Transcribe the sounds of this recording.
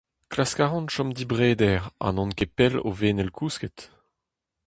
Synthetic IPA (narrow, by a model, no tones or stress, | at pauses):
klaskaːʁɔ̃nʃɔmd̪ibʁeːd̪ɛʁã̰nɔ̃nkepɛlo̰veːnɛlkʰusket̪